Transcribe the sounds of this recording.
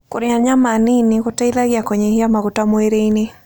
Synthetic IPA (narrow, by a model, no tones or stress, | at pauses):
kʊɾɪaɲamaninikʊtailaɡjakoɲehiamakʊtamweɾeini